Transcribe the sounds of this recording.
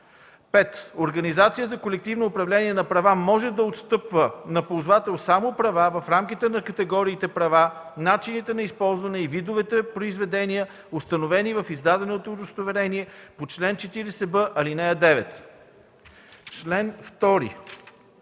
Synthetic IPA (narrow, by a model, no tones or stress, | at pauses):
pɛt̪oɾɡɐnizat̪sijəzɐkolɛk̚t̪ivnoːpɾɐvlɛniɛnɐpɾɐvamɔʒɛd̪ɐot̪st̪ɤpvənɐpolˠzvat̪ɛlˠsamopɾɐvavɐfɾamk̟it̪ɛnɐkɐt̪ɛɡɔɾiːt̪ɛpɾɐvanat͡ʃinit̪ɛnɐispɔlˠzvɐnɛivid̪ʊvɛt̪ɛpɾoizvɛd̪ɛniə | ost̪ɐnovɛnivɐfizd̪ad̪ɛnot̪oːd̪əst̪ovɛɾɛniɛpot͡ʃlɛnt͡ʃɛt̪iɾɛsɛbɤʔɐlinɛjɐd̪ɛvɛt̪ | t͡ʃlɛnft̪ɔɾḭ